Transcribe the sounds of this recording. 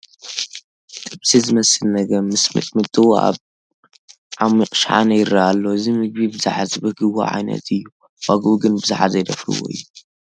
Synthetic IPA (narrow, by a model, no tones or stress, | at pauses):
t̪ʼɨbsizɨmɐsɨlnɐɡɐɾmɨsmɨ̰t̪ʼmɨt̪ʼɨwoa̰β | ʕamiqʼɨʃħa̰nɐjɪɾɐʔalːoɨzimɨɡ̚bibɨza̰ħazibɨɡɨwo̰ʕa̰jnɐ̰t̪ɨjːu | waɡʔuɡɨnbɨzaħazɐjd̪ɐfɾɨ̰wo̰ɨ̰jːu